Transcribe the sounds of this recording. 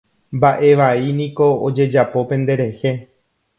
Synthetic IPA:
mbaʔe̞ʋainĩko̞od͡ʒe̞d͡ʒapo̞pẽ̞nd̪e̞ɾe̞he

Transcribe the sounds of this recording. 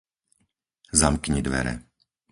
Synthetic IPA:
zamkɲid̪ʋɛ̰ɾɛ̰

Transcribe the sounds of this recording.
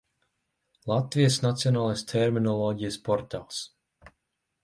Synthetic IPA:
lˠat̪vijəsnat̪siɔnaːlˠajst̪ʰɛɾminɔlˠɔːɟijəspɔɾt̪a̰ːlˠs

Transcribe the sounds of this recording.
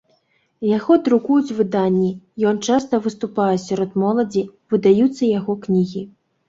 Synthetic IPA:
jaɣɔd̪ɾukujut͡sʲvɨd̪anʲːijɔnt͡ʂast̪ɐvɨst̪upajɛsʲaɾɔt̪mɔlˠɐd͡zʲivɨd̪ajut̪sːɐjaɣɔknʲiɣʲi

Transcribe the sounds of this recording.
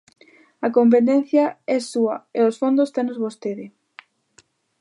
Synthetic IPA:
ɐkomp̬et̪ɛn̟θjɐɛsuɐeosfond̪ost̪ɛnozβost̪eðɪ

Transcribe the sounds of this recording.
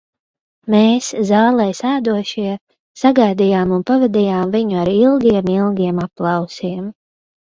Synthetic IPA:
meːszɑːlˠɛjsæːd̪uɔʃiɛ | saɡajd̪ijaːmunpavɛd̪ijaːmviɲuaɾilˠɡʲiɛmilˠɡʲiɛmaplˠɑwsiɛm

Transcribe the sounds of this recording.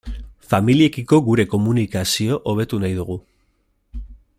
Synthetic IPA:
familie̞kiko̞ɣuɾe̞ko̞munikasio̞ʔoβe̞t̪unajðuɣ̞u

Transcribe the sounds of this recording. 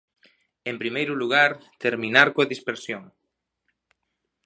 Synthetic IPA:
empɾimejɾuluɣ̞aɾt̪eɾmĩnaɾkoɐðispeɾsjoŋ

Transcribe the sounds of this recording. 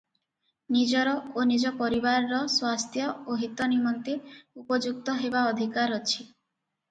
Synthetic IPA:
nid͡ʒɔɾɔonid͡ʒɔpɔɾibaɾɔɾɔswast̪ʰjɔoɦit̪ɔnimɔnt̪eupɔd͡ʒuk̚t̪ɔɦebaɔd̪ʱikaɾɔt͡ʃʰi

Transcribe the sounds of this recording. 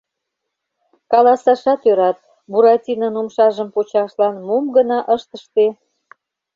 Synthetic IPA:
kɑlɑsɑʃɑt̪øɾɑt̪̚ | buɾɑtʲinənumʃɑʒəmpot͡ɕɑʃlɑnmumɡənɑʔəʃt̪əʃt̪e

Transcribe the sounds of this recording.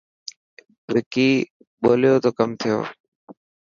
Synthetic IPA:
ʋɪkiː | ɓoːljoːt̪oːkəmt̪ʰɪjo̰ː

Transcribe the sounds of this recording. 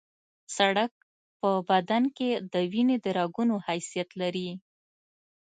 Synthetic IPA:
saɽak̚ | pəbad̪anked̪əwined̪əɾɑɡunohajsijat̪laɾi

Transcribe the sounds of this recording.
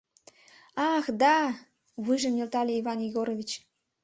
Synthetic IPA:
ɑxd̪ɑ | βɨʒəmjelt̪ɑlʲeivɑnjiɣoɾovʲit͡ɕ

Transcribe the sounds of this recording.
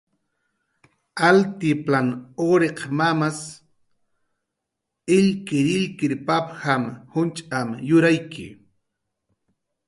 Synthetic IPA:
alt̪ɪplanoɾeqmamas | ɪʎkɪɾɪʎkɪɾpaphamhʊnt͡ʃʼamjʊɾajkʰɪ̰

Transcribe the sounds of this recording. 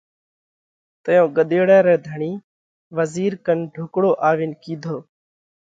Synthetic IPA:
t̪əjõːɠəɗ̪eːɽɛ̃ːɾɛːd̪ʱəɳiː | ʋəziːɾkənɖʱʊkɽoːʔaːʋɪːnkiːd̪ʱoː

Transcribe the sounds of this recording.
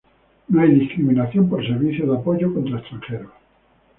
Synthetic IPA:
noajðiskɾimĩnaθjo̞mpoɾseɾβiθjoðapoʝokont̪ɾaest̪ɾaŋxeɾo

